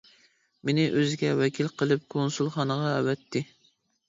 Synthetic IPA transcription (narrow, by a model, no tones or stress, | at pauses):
menɪʔøzɪɡʲɛwɛkʲʰilqəlˠɨp̚kʰonsulˠχɑnəʁɑɛwɛt̪ʰːɪ